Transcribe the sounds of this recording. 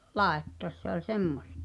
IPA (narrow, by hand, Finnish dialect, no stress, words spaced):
lɑˑetːoɑ̆s se olʲ semːostɑ̥